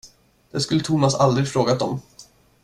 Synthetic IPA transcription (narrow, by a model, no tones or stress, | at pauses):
d̪̥ɛskɵlːət̪ʰuːmasald̪ɾɪɡfɾoːɡat̪ɔm